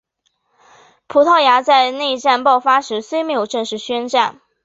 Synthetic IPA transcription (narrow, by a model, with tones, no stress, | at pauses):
pʰu˧˥t̪ʰɑ˥˩ʊja˧˥t͡sa˥˧ɪne˥˧ɪ˧ʈ͡ʂa˥˧npɑ˥˩ʊfa˥ʂɻ̩˧˥swe˥ɪme˧˥ɪjo˨˩ʊʈ͡ʂɤ˥˧ŋʂɻ̩˥˩ɕɥɛ˥nʈ͡ʂa˥˩n